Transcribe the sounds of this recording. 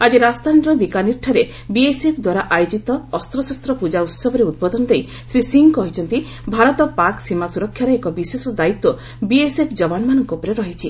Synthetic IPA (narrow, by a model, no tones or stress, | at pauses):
ad͡ʒiɾast̪anɾɔbikaniɾʈʰaɾe | biesepʰd̪waɾaʔajod͡ʒit̪ɔːst̪ɾɔsɔst̪ɾɔpud͡ʒaut̪sɔbʱɔɾeud̪̚bɔd̪ɔnɔd̪ej | sɾisiŋkɔɦit͡ʃʰɔnt̪i | bʱaɾɔt̪ɔpaksimasuɾɔkʰːjaɾɔekɔbisesɔd̪ait̪ːɔ | biesepʰd͡ʒɔbanmanɔŋkupɾeɾɔɦit͡ʃʰi